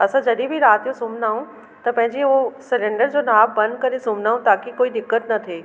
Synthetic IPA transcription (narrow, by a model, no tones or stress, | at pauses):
ɐsãd͡ʑɐɗibʱiɾaːt̪jõsʊmnaːũ | t̪ɐpɐ̃ɦɪ̃ɲd͡ʑeɦosɐɾẽːɳɖəɾd͡ʑoːnaːbbɐ̃nd̪̚kɐɾesʊm̤naːũt̪aːkikoːid̪ɪkːət̪nɐt̪ʰeː